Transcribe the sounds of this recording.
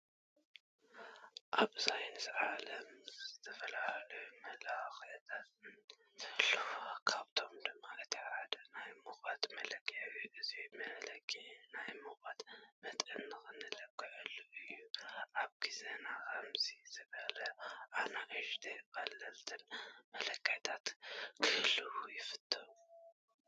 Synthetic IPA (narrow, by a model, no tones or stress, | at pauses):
ʔaβzajnɨzʕalɐmzzɨt̪ʰɐfɐlahlɐjumɐlaxɐt̪ʰat̪nʰ | lkʰaβt̪ʰo̞md̪ɨmːakʰɨt̪ʰiħad̪ɐnajmɨxat̪mɐlɐɡʼwiʔɨzimɐlɐɡinajmɨxbat̪mɐt̪ʼɨnːɨxɨnɨlɐb̚kːɨʕɨlːuʔɨjːuʔaβɡizenakʰɐmziz̥ɨβɐlɐʔanaʔɨʒd̪ebalːɐlt̪ʰɨnmɐlɐkʰʼːajt̪ʰat̪kʰɨhɨlːɨwujɪfɨt̪ʰːɨɾu